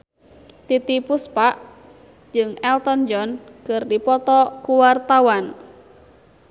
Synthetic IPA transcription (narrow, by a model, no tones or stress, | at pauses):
t̪it̪ipuspaʔ | d͡ʒɨŋɛlt̪ɔnd͡ʒɔnkɨrdipɔt̪ɔkuwart̪awan